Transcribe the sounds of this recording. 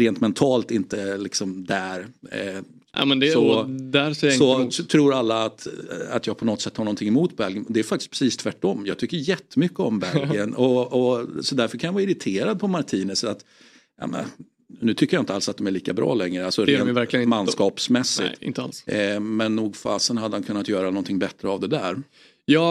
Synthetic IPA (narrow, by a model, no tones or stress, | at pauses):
ɾeːnt̪mɛnt̪ʰɑːlt̪ɪnt̪əlɪksɔmd̪æɾ | a̰mɛnd̪ɛsɔd̪æɾsɛjaɪsɔt̪ʰɾuːɾalːaːt̪a̰t̪jɑːɡpʰɔnɔt̪sɛt̪ːhaɾɳɔnt̪ʰɪŋːɛmuːt̪bɛlɡənd̪ɛæɾfak̚t̪ɪ̥sk̚pɾɛsiːst̪ʰvæʈːɔmːjɑ̰ːɡt̪ʰʏkːəɾjɛt̪ːəmʏkːəɔmbɛɡənɔɔsɔd̪æɾfœɾkʰanjavɑːɪɾɪt̪ʰeːɾad̪̚pʰɔmaɾʈʰiːnəsat̪ | a̰mɛ̰n | nːʉ̟t̪ʰʏkːəjaɪnt̪əalsat̪̚d̪ɔmæɾɭiːkabɾɑ̰ːlɛŋːɾəalsɔɾːnvæɾk̪lɪnmanːskɑːpsmɛsːɪ̰t̪ɪ̰nt̪əa̰lsmɛnːuːɡfɑːsənhad̪ːəhankʰɵnːat̪jœːɾanɔnt̪ʰɪŋbɛt̪ːɾəavd̪ɛd̪æːɾ | jɑː